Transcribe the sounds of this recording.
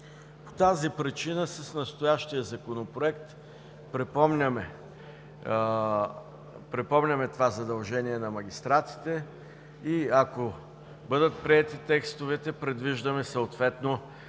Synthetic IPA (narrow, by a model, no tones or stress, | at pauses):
po̥t̪azipɾit͡ʃinəsɐsnɐst̪ojaʃt̪iəzɐkonopɾoɛkt̪ | pɾɛpɔmnʲəmɛ | pɾɛpɔmnʲɐmɛt̪ovazɐd̪ɐlˠʒɛniɛnɐmɐɡʲist̪ɾat̪i̥t̪ɛ | iɐko | bɤd̪ət̪̚pɾiɛt̪it̪ɛkst̪ovɛt̪ɛpɾɛd̪viʒd̪ɐmɛsɐot̪vɛt̪no